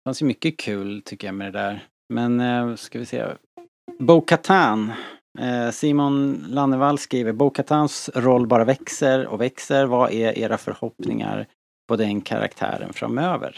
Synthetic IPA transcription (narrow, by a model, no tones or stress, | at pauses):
fansjmʏkːəkʰʉ̟ːlt̪ʰʏkːəjamɛd̪ɛd̪æːɾ | mɛnskavɪsḛː | buːkʰːat̪ʰaːn | siːmʊnlanːəvalːskɾiːvəɾbukʰːat̪ʰaːnsɾɔlːbɑːɾavɛksəɾɔ̰vɛksəɾvaʔɛʔḛːɾafœ̰ɾhɔpnɪ̰ŋa̰ɾ | pʰɔd̪ɛnkʰa̰ɾa̰kt̪ʰæ̰ːɾə̰nfɾa̰møːvə̰ɾ